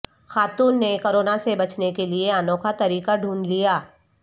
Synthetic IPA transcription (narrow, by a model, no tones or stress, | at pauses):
xaːt̪uːnːekoɾoːnasebɐt͡ʃnekelieanoːkʰat̪ɐɾiːkaɖʱũːnlijaː